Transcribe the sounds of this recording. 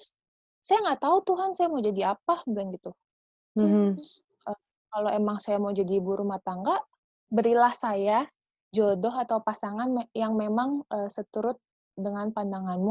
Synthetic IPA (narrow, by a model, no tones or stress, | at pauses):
s | sajaŋɡaʔt̪aut̪uɦansajamawd͡ʒadiapablanɡit̪u | t̪ʊʊs | ʔə | kaloʔemaŋsajamawd͡ʒadibuɾʔumaht̪aŋɡaʔ | bəɾilahsaja | d͡ʒodɔɦat̪awpasaŋanmjaŋmemaŋʔəːsət̪əɾʊt̪̚ | dəŋanpandaŋanmu